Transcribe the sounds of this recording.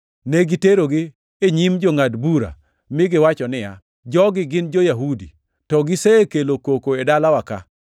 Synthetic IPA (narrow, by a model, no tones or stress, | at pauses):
neɡiteɾoɡɪ | eɲimd͡ʒoŋadbuɾa̰ | mɪɡɪwat͡ʃɔnɪja | d͡ʒɔɡɪɡɪnd͡ʒojaɦudḭ | tɔɡɪsekelokokoedalawaka̰